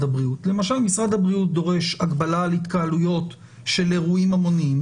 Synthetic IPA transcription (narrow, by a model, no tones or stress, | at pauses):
dabʁiut̪le̞maʃalmisʁad̪abʁiut̚d̪o̞ʁe̞ʃaɡbalaleit̪kaalujo̞t | ʃe̞leʁuimamo̞nim